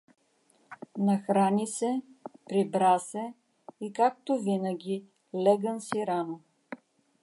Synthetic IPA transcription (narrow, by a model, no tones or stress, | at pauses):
nɐxɾanʲisɛpɾibɾasɛ | ikak̚t̪ovinəɡʲi | lɛɡənsiɾano